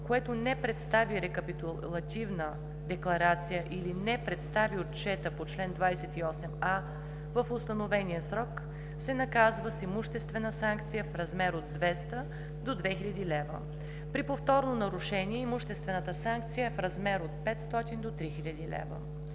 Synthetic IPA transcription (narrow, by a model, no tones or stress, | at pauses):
koɛt̪onɛpɾɛt̪st̪aviɾɛkəpit̪ulˠɐt̪ʲivnə | d̪ɛklˠɐɾat̪sijəʔilinɛpɾɛt̪st̪aviott͡ʃɛt̪əpot͡ʃlɛnd̪vajsɛt̪iɔsɛma | vəfʊst̪ɐnovɛnijəsɾɔk | sɛnɐkazvəsimuʃt̪ɛst̪vɛnəsaŋk̚t̪sijəfɾɐzmɛɾod̪ːvɛst̪ə | d̪od̪vɛxilʲɐd̪ilɛvə̰ | pɾipoft̪ɔɾnonɐɾuʃɛniɛimʊʃt̪ɛst̪vɛnət̪əsaŋk̚t̪sijəɛfɾɐzmɛɾot̪̚pɛt̪st̪ɔt̪ind̪ot̪ɾixilʲɐd̪ilɛ̰və̰